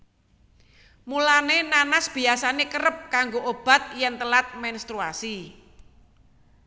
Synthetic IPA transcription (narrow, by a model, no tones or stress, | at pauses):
mulanenanasb̥i̤asanekəɾəp̚kaŋɡoʔob̥a̤t̪̚jɛnt̪əlat̪̚mɛnst̪ɾua̰si